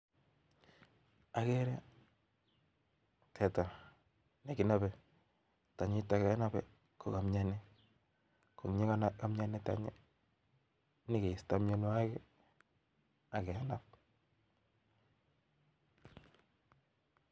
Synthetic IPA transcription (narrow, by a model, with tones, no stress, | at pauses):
a˨kɛ˦ɾɛ˦ | tʰɛ˨ta˨ | ne˨ki˨˦na˦bɛ˨ | ta˨ɲɪ˦ta˨kɛ˨˦na˦bɛ̰˨ | ko˨ka˨mɲa˦nɛ˦ | ko˨ŋɲe˦ka˦na˦ka˦mɲa˦nɛ˦ta̰˨ɲḛ˦ | nɪ˦ke˨i˨sta˦mɲo˦n˦a˦kɛ˦ | a˨kɛ˨a˦na˦p̚